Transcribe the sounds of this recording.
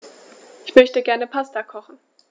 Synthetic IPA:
ʔɪçmœçtəɡɛɐnəpʰastakʰɔχn̩

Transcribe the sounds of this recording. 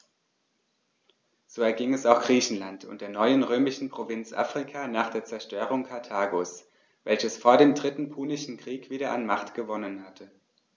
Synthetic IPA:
z̥oːɛɐɡɪŋɛsaʊxɡ̥ʁiːçn̩lantʰʊ̰nt̚d̥eːɐnɔʏənʁøːmɪʃn̩pʁ̥ovɪnt͡sʔa̰ːfʁ̥ɪkʰaːnaːχd̥eːɐt͡sɛɐʃtøːʁ̞ʊŋkʰaɐtʰaːɡoːs | v̥ɛlçəsfoːɐɾeːmdʁɪtn̩pʰuːnɪʃn̩kʁ̥iːkv̥iːɾɐʔa̰nmaχtɡ̥əvɔnənhatʰə

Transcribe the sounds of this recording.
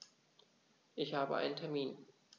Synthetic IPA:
ʔɪçhaːbə̰ʔa̰ɪnəntʰɛɐmiːn

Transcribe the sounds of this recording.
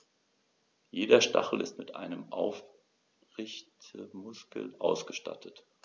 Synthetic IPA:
jeːdɐʃta̰χl̩ɪstmɪtʔa̰ɪnəmʔaʊf | ʁɪçtəmʊskl̩ʔaʊsɡ̥əʃta̰tʰət

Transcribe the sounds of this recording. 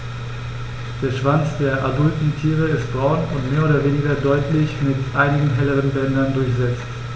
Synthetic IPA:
d̥eːɐʃv̥ant͡sd̥eːɐʔadʊltn̩tʰiːʁ̞əɪst̚b̥ʁɔʊnʊntmeːɐʔoːdɐveːnɪɡɐdɔʏtlɪçmɪtʔaɪnɪɡŋ̩ɦɛləʁ̞ənbɛndɐndʊɐçz̥ɛt͡st

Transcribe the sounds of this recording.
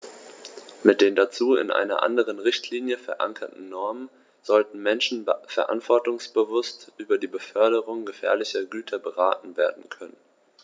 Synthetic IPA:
mɪt̚d̥eːndat͡suːɪ̰nʔa̰ɪnɐ̰ʔa̰ndəʁ̞ənʁɪçtʰliːnjəfɛɐʔa̰ŋkʰɐtn̩nɔɐmən | z̥ɔltn̩mɛnʃn̩fɛɐʔa̰ntv̥ɔɐtʊŋsb̥əvʊstʔyːbɐdiːbəfœɐɾəʁʊŋɡəfɛ̰ːɐlɪçɐɡyːtʰɐbəʁaːtn̩veːɐdn̩kʰœnən

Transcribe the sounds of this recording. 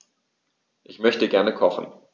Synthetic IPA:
ʔɪçmœçtəɡɛɐnəkʰɔχn̩

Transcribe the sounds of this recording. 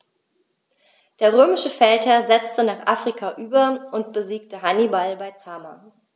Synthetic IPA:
d̥eːɐʁ̞øːmɪʃəfɛlthɛɐzɛt͡stənaːχʔaːfʁ̥ikʰaʔyːbɐʔʊntb̥əziːk̚təɦanibalbaɪt͡sama̰

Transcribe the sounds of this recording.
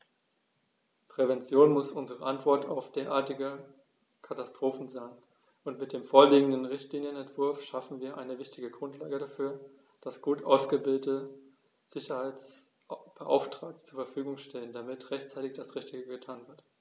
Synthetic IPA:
pʁ̥ɛvɛnt͡sjoːnmʊsʔʊnzəʁəʔantv̥ɔɐta̰ʊfd̥eːɐʔaːɐtɪɡə | kʰatastʁ̥oːfn̩zaɪn | ʔʊntmɪt̚d̥eːmfoːɐliːɡŋ̩dən̩ʁɪçtliːnjənɛntv̥ʊɐfʃafn̩viːɐʔaɪnəvɪçtɪɡəɡʁʊntʰlaːɡədafyːɐ | d̥asɡ̥uːtʔaʊsɡ̥əvɪldətə | z̥ɪçɐhaɪt͡s | b̥əʔa̰ʊftʁ̥aːk̚tt͡suːɐfɛɐfyːɡʊŋʃtʰɛləndamɪtʁɛçt͡saɪtɪçd̥asʁɪçtɪɡəɡətʰaːnvɪɐt

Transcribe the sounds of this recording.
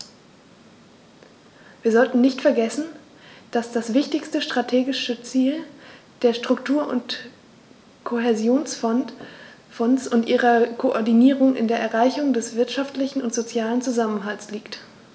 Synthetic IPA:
v̥iːɐzɔltn̩nɪçtfɛɐɡɛsn̩ | d̥asd̥asv̥ɪçtɪçstəʃtʁ̥atʰeːɡɪʃət͡siːl | d̥eːɐʃtʁ̥ʊktʰuːɐʔʊ̰nt | kʰoɦɛzjoːnsn | fɔnsʊntʔiːʁɐkʰoʔɔɐdiniːʁʊŋʔɪ̰ndeːɐʔɛɐʁaɪçʊŋdɛsv̥ɪɐtʃaftlɪçn̩ʊntz̥ot͡sjaːlənt͡suzamənɦalsliːkt

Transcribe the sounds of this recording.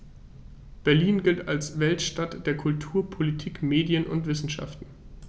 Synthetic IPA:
b̥ɛɐliːnɡɪltalsvɛltʃtatd̥eːɐkʰʊltʰuːɐpʰolitʰiːkmeːdjənʔʊ̰ntv̥ɪsn̩ʃa̰ftn̩

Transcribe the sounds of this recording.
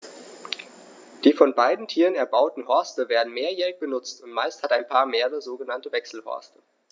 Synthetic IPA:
d̥iːfɔnbaɪdn̩tʰiːʁənɛɐbaʊtn̩ɦɔɐstəveːɐdn̩meːɐjɛːʁɪç̚b̥ənʊt͡stʊntmaɪsthataɪnpʰaːɐmeːəʁəzoːɡənantəvɛksl̩hɔ̰ɐstə

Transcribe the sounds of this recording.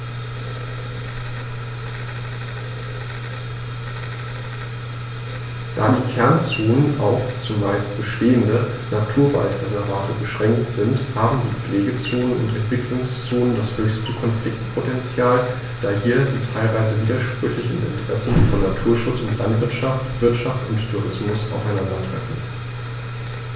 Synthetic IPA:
d̥a̰ːdiːkʰɛɐnt͡soːnəna̰ʊft͡sʊmːaɪst̚b̥əʃteːəndə | natʰuːɐva̰ltʁɛzɛɐvaːtəbəʃʁ̥ɛŋktz̥ɪnthaːbm̩diːp͡fleːɡət͡soːnənʊ̰ntɛntv̥ɪklʊŋst͡soːnəndashøːçstəkʰɔnflɪk̚tpʰotɛnt͡sjaːl | d̥aːɦiːɐdiːtʰaɪlvaɪzəviːdɐʃpʁ̥ʏçlɪçn̩ʔɪ̰ntəʁ̥ɛsn̩fɔnːatʰuːɐʃʊt͡sʊntlʔantv̥ɪɐtʃaftv̥ɪɐtʃaftʊnttʰːuʁɪsmʊsa̰ʊfaɪnandɐtʁ̥ɛ̰fn̩

